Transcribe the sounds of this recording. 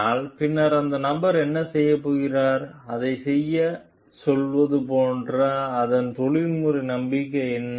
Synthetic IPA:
aːlpɪnːɐɾɐnd̪ɐnɐmbɐɾɛnːɐsɛjːɐpːoːɣɪraːɾɐðɐɪsɛjːɐ | sɔlʋɐðɯpoːndrɐːðɐnt̪ɔɭɪlmʊɾinɐmbɪkːɐɛnː

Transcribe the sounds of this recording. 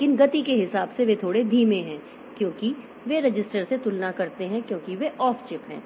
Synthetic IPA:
kɪnɡɐt̪ikeɦɪsaːbseʋet̪ʰoːɽed̪ʱiːmẽɦɛ̃ː | kjõːki | ʋeɾɐd͡ʒɪsʈəɾset̪ʊlnakɐɾt̪eɦɛ̃kjõːkiʋeʔɔːft͡ʃɪpɦɛ̰̃ː

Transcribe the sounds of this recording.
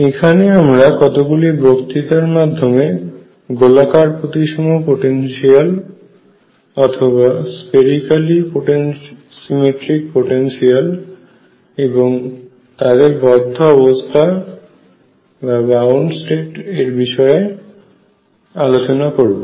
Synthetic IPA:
ekʰaneamɾakɔt̪oɡulibokt̪it̪aɾmad̪ʱːome | ɡolakaɾpot̪iʃɔmopoʈenʃial | ɔt̪ʰoβaspeɾikalipoʈen | simeʈɾik̚poʈenʃial | eboŋ | t̪ad̪eɾbɔd̪ʱːoɔβost̪ʰa | babawɳɖsʈeʈeɾbiʃɔe | alot͡ɕonakoɾbo

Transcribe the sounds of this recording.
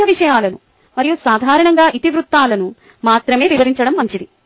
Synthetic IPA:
ɐʋiʂɐjaːlɐnṵ | mɐɾijusaːd̪ʱaːɾɐɳɐŋɡaːʔit̪iʋɾut̪ːaːlɐnu | maːt̪ɾɐme̞ːʋiʋɐɾiɲt͡ʃɐɽɐmːɐɲt͡ʃid̪i

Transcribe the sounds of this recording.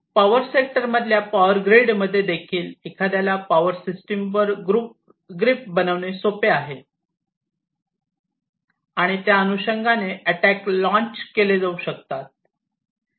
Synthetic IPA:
paʋəɾsek̚ʈəɾməd̪ʱljapaʋəɾɡɾeɖməd̪ʱːjed̪ekʰiːlikʰad̪jalapaʋəɾsisʈimʋəɾɡɾup | ɡɾip̚bənəʋnesopeaɦe | aɽ̃it̪jaənuɕəŋɡaneəʈæklɔ̃ɲt͡ɕkeled͡zauɕək̚t̪at̪̚

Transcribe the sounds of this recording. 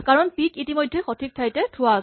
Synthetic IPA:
kaɹɔnpikitimɔjdʱːɛxotʰik̚tʰajtɛtʰʊas

